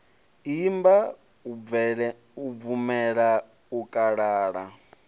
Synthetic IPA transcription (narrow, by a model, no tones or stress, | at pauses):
imba | uvumɛɺa | ukʼaɺaːɺa